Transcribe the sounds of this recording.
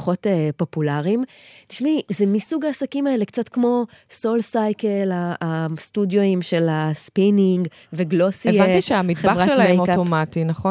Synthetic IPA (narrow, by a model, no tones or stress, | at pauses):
χo̞tepo̞pulaʁim | ti̥ʃmizemisuɡaːsakimae̞le̞kt͡satkmo̞ | so̞lsajkelaastudjoimʃe̞laspiniŋɡ | veɡlo̞sieant̪iʃeamitχebaʁχaʃelamejokaomatinɐχo